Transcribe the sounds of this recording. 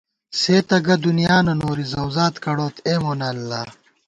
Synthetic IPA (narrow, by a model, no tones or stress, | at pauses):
seːt̪ɐɡɐd̪unijaːnɐnoːɾizɐwzaːt̪kɐɽoːt̪ʰeːmoːnɐlːa